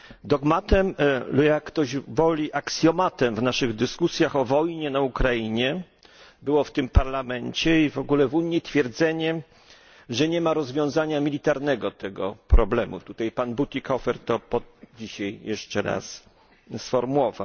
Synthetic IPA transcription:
d̪ɔɡmat̪ɛmljakːt̪ɔʑvɔlʲiʔaksʲjɔmat̪ɛmvnaʂɘɣd̪ɘskusʲjaxɔvɔjɲɛnaukɾaiɲɛ | bɘwɔft̪ɘmpaɾlamɛɲt͡ɕɛivɔɡulɛvuɲːit̪fʲjɛɾd̪zɛɲɛ | ʐɛɲɛmaɾɔzvʲjɔ̃w̃zaɲamʲilʲit̪aɾnɛɡɔt̪ɛɡɔpɾɔblɛmṵt̪ut̪ajpanbut̪ʲikɔfɛɾt̪ɔpɔd͡ʑiɕajjɛʂt͡ʂɛɾa̰s | sfɔɾmuwɔva̰w

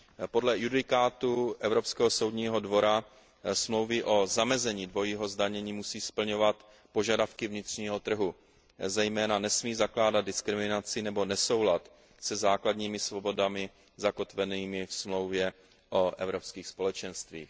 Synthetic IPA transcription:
po̞dlɛjudɪkaːt̪uʔɛvɾopskɛːɦoso̞wdɲiːɦo̞dvo̞ɾa | smlo̞wvɪʔo̞zamɛzɛɲiːdvo̞jiːɦo̞zdaɲɛɲiːmusiːspl̩ɲo̞vat̪ | po̞ʒadafkɪvɲɪt̪r̝̥ɲiːɦo̞t̪r̩ɦu | zɛjmɛːnanɛsmiːzaklaːdad̪̚dɪskɾɪmɪnat͡sɪnɛbo̞nɛso̞wlat̪ | sɛzaːkladɲiːmɪsvo̞bo̞damɪ | zako̞t̪vɛniːmɪfsmlo̞wvjɛ | ʔoʔɛvɾo̞pskiːxspo̞lɛt͡ʃɛnst̪vḭːx

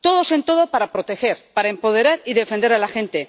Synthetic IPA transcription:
t̪o̞ð̞o̞se̞nt̪o̞ð̞opaɾapɾo̞t̪e̞xe̞ɾpaɾaempo̞ð̞e̞ɾaɾiðe̞fend̪e̞ɾalaxe̞nt̪e

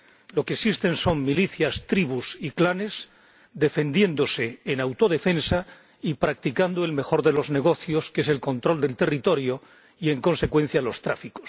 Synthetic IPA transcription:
lo̞keksist̪e̞nso̞ŋmiliθjast̪ɾiβusiklane̞z | d̪e̞fe̞nd̪je̞nd̪o̞se̞ːnawt̪o̞ðe̞fensa | ipɾak̚t̪ikand̪oe̞lme̞xo̞ɾðe̞lo̞zne̞ɣ̞o̞θjo̞ske̞se̞lko̞nt̪ɾo̞ld̪e̞lt̪e̞rit̪o̞ɾjo̞ | ie̞ŋko̞nse̞kwe̞n̟θjalo̞st̪ɾa̰fikos

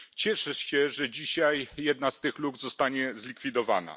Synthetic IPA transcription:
t͡ɕɛʂɛʂɕɛʐɛd͡ʑiɕajjɛd̪nast̪ɘxluɡzɔst̪aɲɛzlʲikfʲid̪ɔva̰na̰

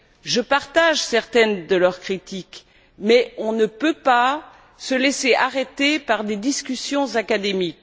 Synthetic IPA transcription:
ʒəpaʁt̪aʒsɛʁt̪ɛnd̪əlœʁkχit̪ik | mɛɔ̃nəpøpa | səleseʔaʁet̪epaʁd̪ed̪iskʲysjɔ̃zakad̪emik

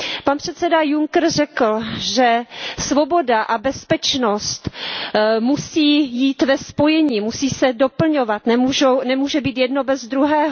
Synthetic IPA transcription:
panpr̝̥ɛt̪sɛdajuŋkr̩rɛkl̩ʒɛsvo̞bo̞daʔabɛspɛt͡ʃnost̪ | musiːjiːt̪vɛspo̞jɛɲiːmusiːsɛdo̞pl̩ɲovat̪nɛmuʒownɛmuːʒɛbiːt̪jɛdno̞bɛzd̪ɾuɦɛːɦo

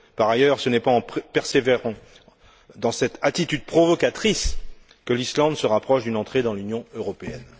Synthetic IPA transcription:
paʁajœʁsənɛpaɑ̃pɛʁseveʁɑ̃ | d̪ɑ̃sɛt̪at̪it̪yd̪̚pχɔvɔkat̪χis | kəlislɑ̃d̪səʁapχɔʃd̪ynɑ̃t̪χed̪ɑ̃lynjɔ̃øʁɔpeɛn

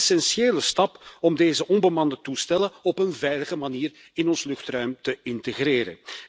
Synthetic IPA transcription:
sɛnseːləstɑpɔmdeːzəʔɔnbəmɑndətustɛlənɔpənvɛjləɣəmaniːr | ɪnɔnslɵxtrœɥmtəɪntəɣreːɾə̰n

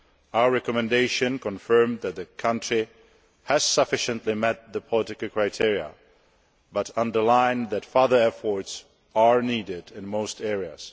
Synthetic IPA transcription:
aʊə˞ɹɛkəmɨ̃ndeɪʃɨ̃nkʰə̃ɱfɜ̃˞mðɨt̪̚ðɨkʰʌ̃nt͡ʃɹ̥i | hɨz̥sʌfɪʃɨ̃nʔlimɛt̪̚ðəpʰəlɪɾɨkəl̩ˠkʰɹ̥aɪtʰɪɹiə̰ | bʌɾʌ̃ndə˞lãɪ̃nðɨtfɑðə˞ɛfɔɹts | ə˞nidɪɾɪ̃nmoʊstʰɛɹiɨ̰z̥

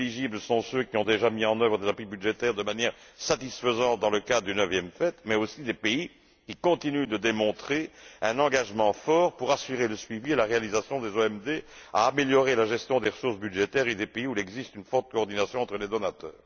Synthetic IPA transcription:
liʒibləsɔ̃søkʲiɔ̃d̪eʒamiɑ̃nœvʁəd̪ezapibyd̪ʒet̪ɛʁd̪əmanjɛʁsat̪isfəzɑ̃t̪̚d̪ɑ̃ləkad̪d̪ynœvjɛmfɛt̪mɛosid̪epei | kʲikɔ̃t̪inyd̪əd̪emɔ̃t̪χeɛ̃nɑ̃ɡaʒmɑ̃fɔʁpuʁasyʁeləsɥivielaʁealizasjɔ̃d̪ezoɛmd̪ea̰ːmeljɔʁelaʒɛst̪jɔ̃d̪eʁəsuʁsbyd̪ʒet̪ɛʁed̪epeiulɛɡzist̪ynfɔʁt̪̚kɔɔʁd̪inasjɔ̃ɑ̃t̪χəled̪ɔnat̪œ̰ːʁ

